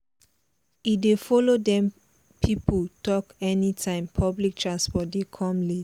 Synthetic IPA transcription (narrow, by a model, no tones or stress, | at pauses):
idefɔlodɛ̃m | pʰipʰoltʰɔkɛnitʰãɪ̃mpʰɔblik̚tʰɹãnspɔt̚dekʰɔ̃mli